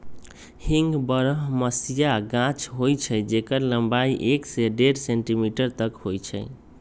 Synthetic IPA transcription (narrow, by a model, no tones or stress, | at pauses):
hiŋɡbəɾəɦməsijaɡãt͡ʃʰɦojt͡ʃʰəjd͡ʒekəɾləmbaiʔekseɖeɾseɳʈimiʈəɾt̪əkɦojt͡ʃʰəɪ